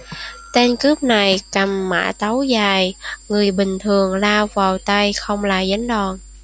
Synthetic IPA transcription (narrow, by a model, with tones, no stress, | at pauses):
t̪e˧nkɨ˦˥p̚na˨˩jka˨˩mːa̰ː˧˥t̪a˨˦wzaː˨˩jŋɨ˨˩əjɓï˨˩ŋ̟t̪ʰɨ˨˩əŋlaː˧wvaː˨˩wt̪a˧jxə˧wŋ͡mlaː˨˩za˨˦jŋɗɔ˨˩n